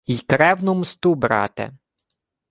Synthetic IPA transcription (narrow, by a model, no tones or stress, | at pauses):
ijkɾɛwnʊmst̪ubɾɑ̰t̪ɛ̰